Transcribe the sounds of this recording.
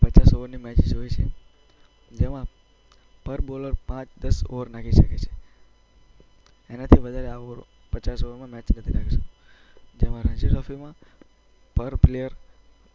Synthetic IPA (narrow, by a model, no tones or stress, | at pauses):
pət͡ʃasoʋəɾnimɛt͡ʃid͡ʒɦoit͡ʃʰḛ | d͡ʒemã | pəɾboləɾpãt͡ʃd̪əso̰ʋəɾnakʰiʃəket͡ʃʰe̥ | enat̪ʰiʋəd̪ʱaɾeaoɾ | pət͡ʃasoʋəɾmãmɛt͡ʃnət̪ʰinakeʃu | d͡ʒemãɾə̃ɲd͡ʒiʈɾɔfimã | pəɾplejəɾ